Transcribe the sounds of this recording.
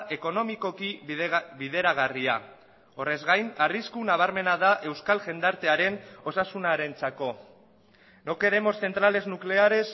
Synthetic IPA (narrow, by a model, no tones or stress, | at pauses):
ʔe̞ko̞no̞miko̞kiβiðe̞ɾaɣ̞aria | o̞re̞zɣajnariskunaβ̞aɾme̞nað̞aʔe̞wskalʝe̞nd̪aɾt̪e̞aɾe̞no̞sasunaɾe̞nt͡sako̞ | noke̞ɾe̞mo̞sθe̞nt̪ɾale̞znukle̞aɾe̞s